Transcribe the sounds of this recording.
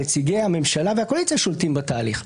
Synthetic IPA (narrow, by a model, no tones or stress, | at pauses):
et͡siɡejhame̞mʃalaveakolit͡sijaʃoltimbat̪aːliχ